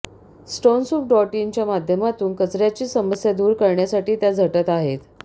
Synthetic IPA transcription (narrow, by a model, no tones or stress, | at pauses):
sʈonsup̚ɖɔʈint͡ɕjamad̪ʱjəmat̪uːnkət͡sɾjat͡ɕiːsəməsjad̪uːɾkəɾɳjasaʈiːt̪jad͡zʱəʈət̪aɦet̪